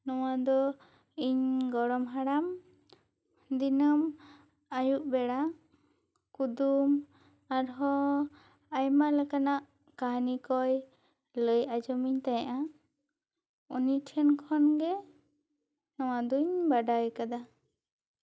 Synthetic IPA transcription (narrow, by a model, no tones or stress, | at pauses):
nɔwad̪ɔ | iɲɡɔɽɔmɦaɽam | d̪inam | ajuʔbɛɽa | kud̪um | aɾɦɔ | ajmalɛkanaʔ | kaɦnikɔj | ləjʔad͡ʒɔmiɲt̪ajaʔa | uniʈʰɛnkʰɔnɡɛ | nɔw̃ad̪ɔiɲbaɖajkad̪a